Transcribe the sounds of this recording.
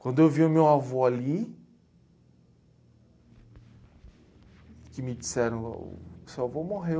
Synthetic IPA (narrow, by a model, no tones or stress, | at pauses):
kãnd̪eviamewavoali | kimid̪i̥sɛɾ̰savomoɦe